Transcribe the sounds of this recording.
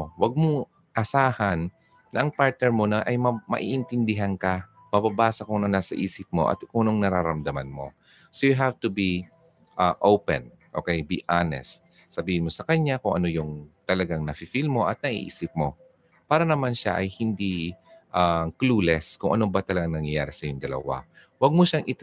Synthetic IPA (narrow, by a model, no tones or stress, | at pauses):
wɐɡ̚moŋ | ʔɐsaːhɐnː | ɐʔɐŋpaɹt̪̚nɛɹmo̞nɐʔɐjmɐmɐ̰ʔiːʔɪnt̪ɪnd̪ɪɦankɐ | mababaːsɐkʊŋnɐnaːsɐʔiːsɪp̚mo̞̰ʔɐ̰t̪ʔuːno̞ŋnɐɾaɾɐmd̪ɐmɐnmo̞̰ | sojʊɦavt̪ʊbi | ʔaʔowpɛ̰n | ʔo̰kɛjbiːʔanɛ̰st̪̚ | sɐbiːhɪnmo̞sɐkɐɲːakʊŋʔɐno̞jʊŋt̪ɐlɐɡaŋnɐfɪfilmo̞ʔɐt̪̚nɐʔḭʔḭːsɪp̚mo̞ | paːɾɐnɐmanʃa̰ʔɐjhɪnd̪iʔakluːlɛskʊŋʔɐ̰no̞bat̪ɐlɐɡaŋnɐŋjɐjaːɾɪsɐjʊŋd̪ɐlɐ̰wa̰ | wɐɡ̚moʃaŋʔɪ